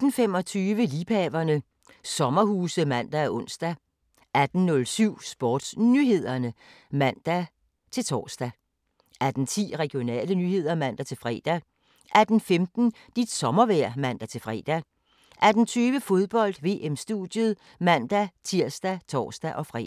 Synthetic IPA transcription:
d̥n̩fem̰ɒ̽t͡sʰyːʋəliːpʰɛːʋɐnə | sɒ̽mɐhuːsəmæn̰d̥ææɔ̽n̰sd̥æ | ʔæd̥n̩ːɔ̽lsyʊ̰sb̥ɒːd̥snyɦe̝ð̞̰ˠɐnə | mæn̰d̥æ | t͡sʰe̝lt͡sʰɒ̰ːsd̥æ | ʔæd̥n̩t͡sʰḭːʁɛɡ̥ijo̝nɛ̰ːlənyːhe̝ð̞̰ˠɐmæn̰d̥æt͡sʰe̝lfʁɛ̰ːd̥æ | ʔæd̥n̩femd̥n̩ | d̥id̥sɒ̽mɐʋæɐ̰mæn̰d̥æt͡sʰe̝lfʁɛ̰ːd̥æ | ʔæd̥n̩t͡sʰyːʋəfo̝ð̞ˠb̥ɒ̽l̰d̥ʋe̝ːʔemsd̥ud̥jəðˠ | mæn̰d̥æt͡sʰiɐ̰sd̥æt͡sʰɒ̰ːsd̥æʔɒ̽fʁɛ̰

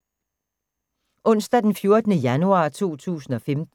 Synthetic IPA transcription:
ʔɔ̽n̰sd̥æd̥enfjo̝ɐd̥ənəjænuɑ̰̈ːt͡sʰo̝̰ːt͡sʰṵːsn̩ɒ̽femd̥

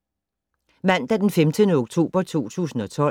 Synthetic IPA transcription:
mæn̰d̥æɐd̥enfemd̥ənəoɡ̥t͡sʰo̝̰ːb̥ɐt͡sʰo̝̰ːt͡sʰṵːsn̩ɒ̽t͡sʰɒ̽

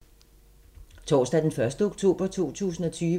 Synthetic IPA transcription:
t͡sʰɒ̰ːsd̥æd̥enfɶɐsd̥əoɡ̥t͡sʰo̝̰ːb̥ɐt͡sʰo̝̰ːt͡sʰṵːsn̩ɒ̽t͡sʰyː

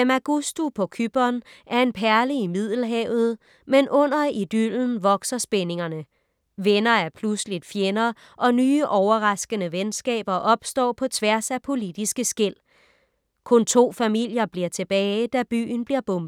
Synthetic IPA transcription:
emæɡ̥usd̥upʰɒ̽kʰyb̥ɐnʔæɐe̝npʰæɐliimið̰ˠl̩ɦɛːʊð̞̩ˠ | menʔɔ̽n̰ɐid̥yln̩ʋɒ̽ɡ̥sɐsb̥ene̝ŋɐnə | ʋenɐæɐpʰluslid̥fjenɐ | ʔɒ̽nyːʔɒʊɐʁɑ̈sɡ̥ənəʋensɡ̥ɛ̰ːb̥ɐʔɒ̽b̥sd̥ɒ̰ːpʰɒ̽t͡sʰʋæɐsæpʰo̝lid̥isɡ̥əsɡ̥el̰ | kʰɔ̽nt͡sʰo̝̰ːfæmil̰jɐb̥liɐt͡sʰe̝b̥ɛːɪɪd̥æb̥y̰ːn̩b̥liɐb̥ɔ̽mb̥̩ˠ

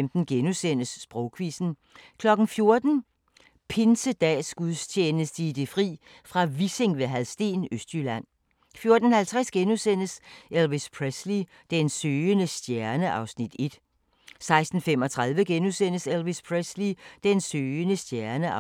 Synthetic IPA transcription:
md̥n̩ɡ̥enusen̰əsːb̥ʁɔʊkʰʋisn̩ | kʰlɒ̽ɡ̥n̩fjo̝ɐd̥n̩ | pʰe̝nsəd̥ɛ̰ːsɡ̥uðˠst͡ɕʰeːnəsd̥əid̥e̝fʁḭː | fʁɑ̈ʋise̝ŋʋe̝ɦæðˠsd̥e̝̰ːnøsd̥ylæn̰ | fjo̝ɐd̥n̩hælt͡sʰʁasɡ̥enusen̰əselʋispʰʁesli | d̥ensøːənəsd̥jæɐnəʔɑ̈ʊsnid̥e̝d̥ | sɑ̈ɪsd̥n̩femɒ̽t͡sʰʁaðˠʋəɡ̥enusen̰əselʋispʰʁeslid̥ensøːənəsd̥jæɐnə

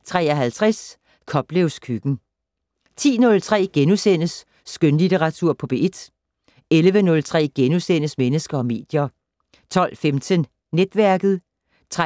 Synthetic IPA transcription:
t͡sʰʁɛ̰ːɒɦælt͡sʰʁas | kʰɒ̽b̥leʊskʰyɡ̥n̩ | t͡sʰḭːnɔ̽lt͡sʰʁɛ̰ːɡ̥enusen̰əsː | ɡ̥ønlit͡sʰeʁɑ̈t͡sʰuɐ̰pʰɒ̽b̥eʔed̥ | elʋənɔ̽lt͡sʰʁɛ̰ːɡ̥enusen̰əsmenəsɡ̥ɐɒ̽me̝̰ːd̥jɐ | t͡sʰɒ̽l̰femt͡sʰən | ned̥ʋæɐɡ̥ð̩ˠ | t͡sʰʁ

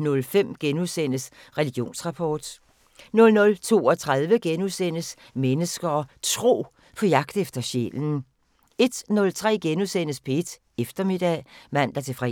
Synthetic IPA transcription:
nɔ̽lfem̰ɡ̥enuðˠsen̰əs | ʁɛliɡ̥jo̝̰ːnsʁɑ̈pʰɒːd̥ | nɔ̽lnɔ̽lt͡sʰo̝̰ːɒ̽t͡sʰʁað̞ˠʋəɡ̥enuðˠsen̰əs | menəsɡ̥ɐːt͡sʰʁo̝̰ː | pʰɒ̽jɑ̈ɡ̥d̥efd̥ɐɕḛln̩ | e̝d̥nɔ̽lt͡sʰʁɛ̰ːɡ̥enuðˠsen̰əspʰɒed̥ | efd̥ɐme̝d̥ɛ̰mæn̰d̥ɑt͡sʰe̝fʁɛ

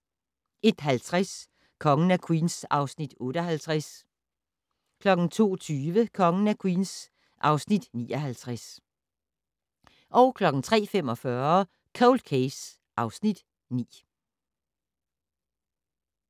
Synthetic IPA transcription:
e̝d̥ɦælt͡sʰʁas | kʰɒ̽ŋənækʰwiːnsɑ̈ʊsnid̥ɔ̽ːɾ̥əɒɦælt͡sʰʁas | kʰlɒ̽ɡ̥n̩t͡sʰo̝̰ːt͡sʰyːʋəkʰɒ̽ŋənækʰwiːns | ʔɑ̈ʊsnid̥nḭːɒɦælt͡sʰʁas | ʔɒ̽ʊkʰlɒ̽ɡ̥n̩t͡sʰʁɛ̰ːfemɒ̽fɶɐ | kʰoʊld̥̚kʰeɪs | ʔɑ̈ʊsnid̥ | nḭː

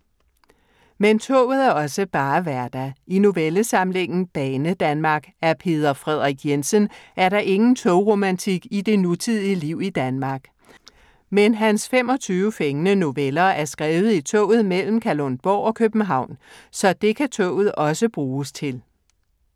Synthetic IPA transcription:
ment͡sʰɔ̰̽ʊ̰ð̩ˠæɐɒ̽səb̥ɑ̈ːʋæɐd̥æino̝ʋeləsɑ̈mle̝ŋ̰n̩b̥ɛːnəd̥ænmɑ̈ːɡ̥æɐpʰe̝̰ːð̞ˠɐfʁɛð̞̰ˠʁiɡ̥jensənʔæɐɾɑ̈ʔe̝ŋn̩t͡sʰɔʊʁo̝mænt͡sʰiɡ̥id̥e̝nut͡sʰið̰ˠiəliʊ̰id̥ænmɑ̈ɡ̥ | menɦænsfem̰ɒ̽t͡sʰyːʊəfeŋənəno̝ʋelɐæɐsɡ̥ʁɛːʊð̩ˠit͡sʰɔ̰ːʊ̰ð̞̩ˠmel̰m̩kʰælonb̥ɒʊɒ̽kʰøb̥n̩ɦɑ̈ʊ̰nsɒ̽d̥e̝kʰæt͡sʰɔ̰ːʊð̩ˠɒ̽səb̥ʁuːst͡sʰe̝l

